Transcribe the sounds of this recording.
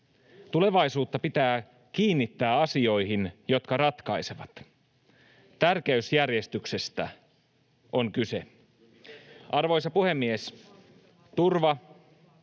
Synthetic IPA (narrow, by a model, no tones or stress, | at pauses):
t̪ule̞ʋɑisuːt̪ːɑpit̪æː | k̟iːnːit̪ːæːɑsio̞jɦinjo̞t̪kɑɾɑt̪kɑjse̞ʋɑt̪ | t̪ærkeysjærjest̪ykse̞st̪æ̰ | ʔoŋkyse̞ | ʔɑrʋo̞jsɑpuhe̞mːies | t̪urʋɑ